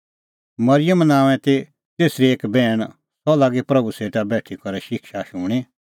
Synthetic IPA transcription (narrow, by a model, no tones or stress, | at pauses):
mɐɾɪjəmnãːʋɛ̃t̪e | t̪eːsɾieːkbɛːɽ̃ | sɔlaːɡepɾɐbuseːʈ̪abɛːʈʰikɐɾɛʃɪkʃaʃʊːɽ̃i